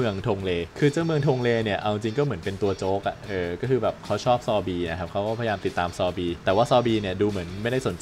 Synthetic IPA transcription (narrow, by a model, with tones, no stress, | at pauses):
ɯ˧əŋt̪ʰoː˧ŋleː˧kʰɯː˧t͡ɕa˥˩mɯ˧əŋt̪ʰoː˧ŋleː˧ni˥˩ɐʔa˧wt͡ɕi˧ŋt͡ɕi˧ŋkɔː˥˩mɯ˩˦ə˦npe˧nt̪u˧ɐt͡ɕoː˦˥k̚ʔa˨˩ʔɤː˧kɔː˥˩kʰɯː˧bɛː˨˩p̚kʰa˦˥wt͡ɕʰɔː˥˩p̚sɔː˧biː˧na˦˥kʰa˦˥p̚kʰa˦˥wkɔː˥˩pʰa˧jaː˧mt̪i˨˩t̪ːaː˧msɔː˧biː˧t̪ɛː˨˩waː˥˩sɔː˧biː˧ni˥˩ɐduː˧mɯ˩˦ənma˥˩jda˥˩jso˩˦nt͡ɕ